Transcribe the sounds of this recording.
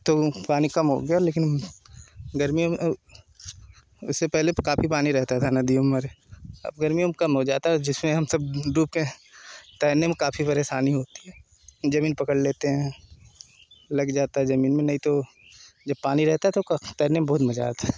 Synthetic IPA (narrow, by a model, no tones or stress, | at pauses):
t̪opaːnikɐmɦo̰ːɡɐjaleːkɪn | ɡɐɾmijom | ʊsːepɛɦlekaːpʰipaːniɾɛɦt̪at̪ʰanɐd̪iomɐɾe | ɐ̰b̚ɡɐɾmijõmekɐmɦod͡ʒaːt̪aɦɛd͡ʒɪsmẽɦɐmsɐb̚ɾuːp̚ke | t̪ɛːnemẽkaːpʰipɐɾeːʃaːniɦoːt̪i̥ɦɛː | d͡ʒɐmiːnpɐkəɽleːt̪eɦɛ̃ː | lɐɡd͡ʒaːt̪aɦɛzɐmiːnmẽnɐɦĩt̪o | d͡ʒɐb̚paːniɾɛɦt̪aɦɛt̪okt̪ɛːnemebɐɦʊt̪mɐd͡ʒa̰ːt̪ʰa